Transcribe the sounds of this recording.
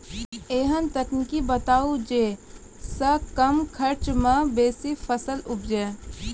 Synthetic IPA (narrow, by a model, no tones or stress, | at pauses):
eːɦənt̪ɐknɪkibɐt̪aːud͡ʒeː | sɐkɐmkʰɐɾt͡ʃmɐ̃beːsifʰəsəlʊp̚d͡ʒɛː